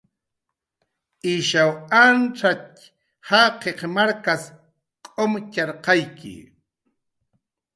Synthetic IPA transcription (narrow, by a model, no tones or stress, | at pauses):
ɪʃawanʈ͡ʂat | haqeχmaɾkas | qʼomcɑɾqɑjkɪ̰